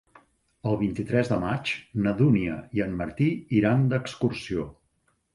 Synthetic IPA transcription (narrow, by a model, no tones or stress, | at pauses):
əlˠβ̞int̪it̪ɾɛzðəmat͡ʃnəðuniə̰iənːəɾt̪iiɾand̪əkskursio